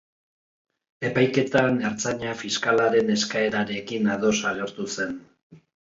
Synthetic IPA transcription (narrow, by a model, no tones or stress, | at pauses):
e̞pajke̞t̪aneɾt͡saɲafiskalaɾe̞ne̞skae̞ɾaɾe̞kinaðo̞saɣe̞ɾt̪use̞n